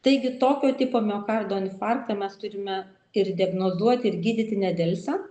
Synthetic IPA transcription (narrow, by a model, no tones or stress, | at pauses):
t̪ɐɪɡʲɪt̪oːkʲoːt̪ʲiːpoːmʲoːkɑrd̪oːɐnʲfɑrkt̪ɐmʲɛst̪ʊɾʲɪmʲɛ | ɪɾd̪ʲiɛɡnoːzuɔt̪ʲɪɾɡʲiːd̪ʲɪt̪ʲɪnʲɛd̪ʲɛlʲsʲɛ